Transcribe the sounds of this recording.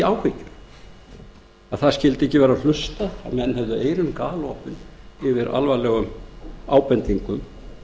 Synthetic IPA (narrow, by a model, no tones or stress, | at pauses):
aːwhɪcʏɾ̥ | aðθascɪlt̪ɪɛhcːɪvɛːɾal̥ʏst̪aa̰mɛnːhɛvðʏʔeːjɾʏnkaːlɔpʏnɪvɪɾa̰lvalɛːɣʏmaːwpɛnt̪iŋkʏm